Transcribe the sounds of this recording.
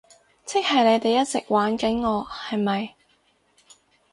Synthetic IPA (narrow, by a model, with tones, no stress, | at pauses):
t͡sʰɪ˥k̚hɐ˨jle˨˧jt̪e˨jɐ˥t̚t͡sɪ˨k̚waː˨˥nkɐ˨˥nŋɔː˨˧hɐ˨jmɐ˨j